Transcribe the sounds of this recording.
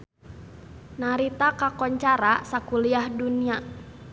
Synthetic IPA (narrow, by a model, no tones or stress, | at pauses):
naɾit̪akakɔɲt͡ʃaɾasakuliahdunia